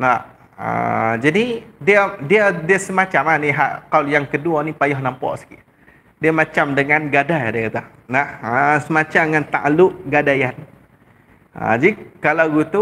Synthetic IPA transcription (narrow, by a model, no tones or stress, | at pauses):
na | ə̰d͡ʒadidiadiadiasəmat͡ʃamaniɦaʔkaljaŋkəduanipajɔhnampɔ̰ʔsə̥ki | diamat͡ʃamdəŋanɡadajdəat̪ah | nahəsəmat͡ʃamŋant̪a̰ʔlʊʔɡadajan | ə̰d͡ʒaikalawɡut̪u